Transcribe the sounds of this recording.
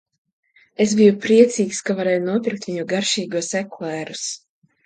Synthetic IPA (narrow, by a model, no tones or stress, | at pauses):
esbijupɾiɛt̪siːkskavaɾɛːjunuɔpʲiɾk̚t̪vʲiɲuɡaɾʃiːɡuɔseklɛːɾus